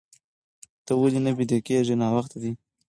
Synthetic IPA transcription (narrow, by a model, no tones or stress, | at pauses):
t̪əwəlinabid̪ekeʐinɑwaxt̪ad̪i